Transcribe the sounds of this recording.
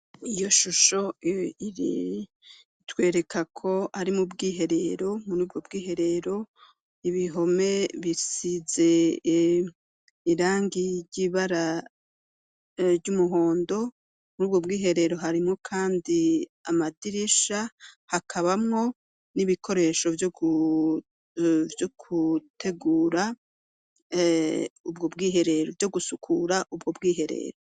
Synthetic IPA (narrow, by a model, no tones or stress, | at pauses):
ijo̞ʃuʃo̞iɾḭ | twe̞ːɾe̞kʰakʰo̞aɾimubɡiːɦe̞ɾe̞ɾo̞muɾuːb̚ɡob̚ɡiːɦe̞ɾe̞ɾo̞ | iβiɦo̞me̞βisize̞ | iɾaːŋɡiɾɟiːβaɾa | ɾɟumuɦoːndo̞ | muɾuːbɡo̞b̚ɡiːɦe̞ɾe̞ɾo̞ɦaɾimŋo̞kʰaːndiamadiɾiʃahakʰaβamŋo̞ | niβikʰo̞ɾe̞ʃo̞vjoɡu | vjokʰutʰe̞ɡuːɾa | ubɡo̞bɡiːɦe̞ɾe̞ɾovjo̞ɡusukʰuɾaʔubɡo̞bɡiːɦe̞ɾe̞̰ɾo